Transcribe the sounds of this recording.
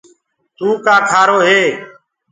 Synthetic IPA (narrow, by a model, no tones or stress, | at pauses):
t̪uːkaːkʰaːɾoːɦeː